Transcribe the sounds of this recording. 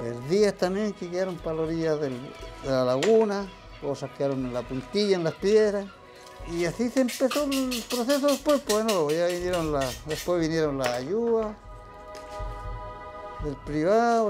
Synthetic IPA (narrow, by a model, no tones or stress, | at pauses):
elðiast̪amjeŋkeɣjaɾompaloɾiʝaðeld̪elalaɣuna | osakjaɾonenlapunt̪iʝaenlaspjeðɾas | iasiseːmpesoelpɾoses̬oðespwespenojaβinjeɾonlaðespwezβinjeɾonlaːjuða | ðelpɾiβaðo